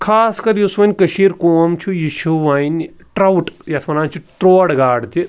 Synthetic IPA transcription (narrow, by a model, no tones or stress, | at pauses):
kʰaːskɐɾjusʋɐnʲkɐʃiːɾkoːmt͡ʃʰujiʃuʋaːin | ʈɾɐwʈjɐsmɐnaːt͡ʃʰiʈɾoːɽɡaːɽt̪i